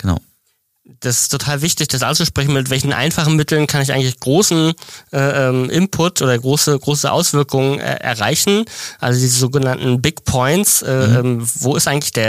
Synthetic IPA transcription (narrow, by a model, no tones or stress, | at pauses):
ɡ̥əna̰ʊ | d̥asɪ̥stʰːotʰaːlvɪçtɪçd̥as̬ʔalt͡suʃpʁ̥ɛç̬n̩mɪtv̥ɛlçn̩ʔa̰ɪnfaχn̩mɪtl̩nkʰanɪç̬ʔaɪɡŋ̩tlɪçɡ̥ʁoːsn̩ʔɛːʔɛːmʔɪmpʰʊtʔoːdɐɡʁoːsəɡʁoːsəʔa̰ʊsv̥ɪɐkʰʊŋənʔɛ̰ːʔɛ̰ɐʁ̞aɪçn̩ʔalzodiːzəzoːɡənantn̩bɪkpʰɔʏntsʔɛːʔɛːmvoːɪstʔaɪɡŋ̩tlɪ̥çd̥eːɐ